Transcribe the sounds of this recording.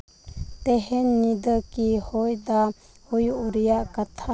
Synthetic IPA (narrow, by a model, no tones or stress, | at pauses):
t̪eɦɛnːid̪əkihɔjd̪a | hujuɾijaʔkat̪ʰa